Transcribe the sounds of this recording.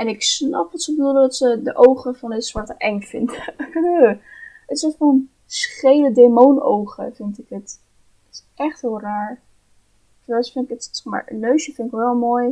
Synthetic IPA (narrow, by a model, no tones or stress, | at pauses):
ɛnɪksnɑ̰pʋɑtsəbədulˠdədɑtsədəʔowχəvɑnətsʋɑɹtəʔɛŋfɪndə | ətɪsɛɔn | sχejlədemowno̰wχə̰fɪntɪkət | tɪ̥sʔɛχtɦɪːlˠraːɹ | fəɹasfɪntɪkətma̰ːɹənːøɥsjəfɪntɪkʋɛlˠmoːj